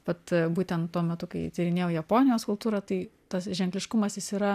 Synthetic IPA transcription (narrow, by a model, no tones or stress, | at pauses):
ʋɐt̪buːt̪ʲɛnt̪tːuɔmʲɛt̪ʊkɐɪt̪ʲɪɾʲɪnʲeːjoːjɛpoːnʲɪjoːskʊlˠpt̪uːɾɐt̪ɐɪ | t̪ɐsʒʲɛŋklʲɪʃkʊmɐsjɪsiːɾɐ